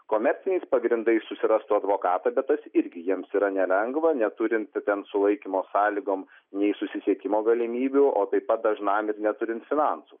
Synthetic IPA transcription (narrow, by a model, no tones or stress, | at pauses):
koːmʲɛɾʲt̪t͡s̪ʲɪnʲɛɪspɐɡɾʲɪnd̪ɐɪssʊsʲɪɾɐst̪uɐd̪ʋoːkɑːt̪ɐbʲɛt̪t̪ːɐsɪɾʲɡʲɪjiɛmsiːɾɐnʲɛlʲɛŋɡʋɐnʲɛt̪ʊɾʲɪnt̪t̪ʲɛnsʊlˠɐɪkʲɪmoːsɑːlʲɪɡoːm | nʲɛɪsʊsʲɪsʲiɛkʲɪmoːɡɐlʲɪmʲiːbʲuʔoːt̪ɐɪpɐt̪̚d̪ɐʒnɑmɪɾnʲɛt̪ʊɾʲɪnt̪fʲɪnɑnsu